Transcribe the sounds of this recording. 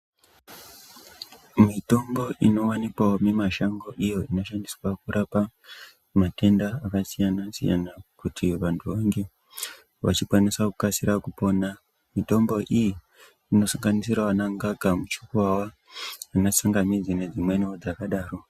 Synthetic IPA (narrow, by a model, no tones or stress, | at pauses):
mito̞mbo̞ʔino̞wanikwaomemaʃaŋɡo̞ʔijo̞ino̞ʃandiswakuɾapa | mate̞ndaːkasijanasḭja̰nakutʰiʋantʰuʋaŋɡe̞ | ʋa̰t͡ʃikwaniswakukasiɾakupo̞ːna | mito̞mbo̞ʔijiː | no̞saŋɡanisiɾaʋanaŋɡaɡʱamut͡ʃu̥kuwawaː | nasaŋɡamid͡zine̞d͡zimwe̞niod͡zakaɗaːro̞